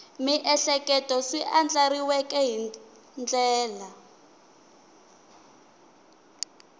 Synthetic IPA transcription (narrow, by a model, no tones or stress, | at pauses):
miʔɛɬɛkʼɛtʼɔsiʔand͡ɮaɾiwɛkʼɛɦi | nd͡ɮɛːla